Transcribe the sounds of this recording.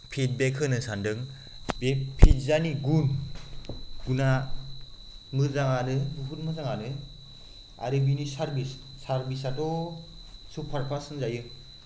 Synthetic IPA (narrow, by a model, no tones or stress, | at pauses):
pʰit̚bekʰɯnɯsandɯŋ | bepʰitzaniɡun | ɡuna | mɯzaŋanɯbuput̚mɯzaŋanɯ | a̰ɾɯbinisaɾbis | saɾbisatʰɔ | supʰaɾpʰasɯnzajɯ